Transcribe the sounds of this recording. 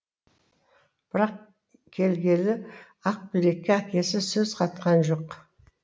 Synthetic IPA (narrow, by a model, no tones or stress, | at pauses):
b̥ɪɾɑq | kʲʰe̞lɡʲe̞lɪ | ɑq̚bijɾe̞k̚ʲːeækʲe̞sɪsɵzqʰɑt̪qɑnʒo̞q